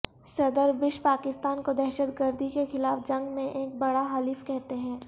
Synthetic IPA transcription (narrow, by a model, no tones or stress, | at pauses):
sɐd̪əɾbɪʃpaːkɪst̪aːnkod̪ɛɦʃət̪ɡəɾd̪ʱikexɪlaːfd͡ʒɐ̃ŋɡmẽʔeːk̚bɐɽaɦaliːfkɛɦt̪eɦɛ̃ː